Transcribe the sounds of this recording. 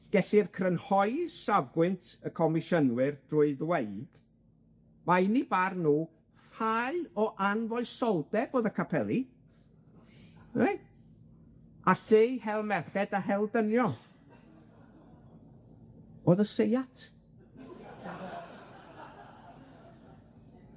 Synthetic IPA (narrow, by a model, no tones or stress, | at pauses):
ɡ̥ɛɬɪrkʰrənhɔɨsavɡwɨntʰəkʰɔmɪʃənwɪrd̥rʊɨðweɨd̥ | maɪnibarnuː | falɔʔanvɔɨsɔlˠdɛb̥oːðəkʰapʰɛlˠi | e | aɬejhɛlˠmɛrχɛdaɦɛlˠdənjɔ | oðəsejatʰ